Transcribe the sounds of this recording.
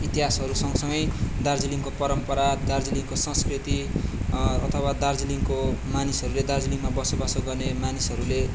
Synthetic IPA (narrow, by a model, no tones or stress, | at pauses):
it̪iɦasɦʌɾusʌŋsʌŋɡʌjd̪ard͡ziliŋkopʌɾʌmpʌɾad̪ard͡ziliŋkosʌ̃skrit̪i | ʌt̪ʰʌwad̪ard͡ziliŋkomanisʌɾuled̪ard͡ziliŋmabʌsobʌsoɡʌrnemanisʌɾule